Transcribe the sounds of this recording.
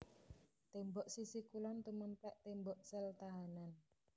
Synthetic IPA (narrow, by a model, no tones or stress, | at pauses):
t̪embɔʔsisikulant̪umənt̪ɛʔt̪embɔʔsɛlt̪aɦanan